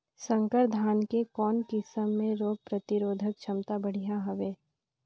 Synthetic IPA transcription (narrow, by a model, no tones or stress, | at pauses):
sə̃ŋkəɾd̪ʱaːnkekɔːnkɪsəmːẽɾoːɡ̚pɾɐt̪ɪɾoːd̪ʱək̚t͡ʃʰɐmt̪abɐɽ̤ijaɦɐʋeː